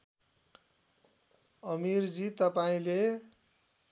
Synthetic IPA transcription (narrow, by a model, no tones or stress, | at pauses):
ʌmiɾd͡zit̪ʌpaĩle